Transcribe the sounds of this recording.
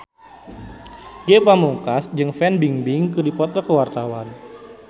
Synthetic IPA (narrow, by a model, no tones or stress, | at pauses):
ɡepamuŋkasd͡ʒɨŋfɛnbiŋbɪŋkɨdipɔt̪ɔkəwart̪awan